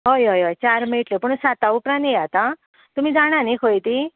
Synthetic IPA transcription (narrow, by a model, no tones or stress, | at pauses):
ɦojɦojɦojt͡ɕaɾmeʈlepuɳsat̪aupɾãnjeat̪ã | t̪um̤id͡zaɽ̃ãnikʰojt̪i